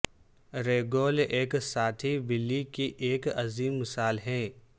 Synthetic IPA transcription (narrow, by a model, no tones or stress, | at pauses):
ɾeːɡoːleːksaːt̪ʰibɪlːikiʔeːkɐziːmːɪsaːlɦɛ̃ː